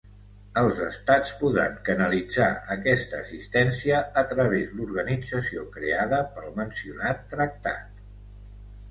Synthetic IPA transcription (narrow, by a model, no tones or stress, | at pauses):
əlˠzəst̪at͡spuðɾa̰ŋkənəlid͡za̰əkɛst̪əːsist̪ɛnsiəət̪ɾəβ̞ezd̪luɾɣənid͡zəsiokɾeaðəpəlˠmənsiunat̪ːɾək̚t̪a̰t̪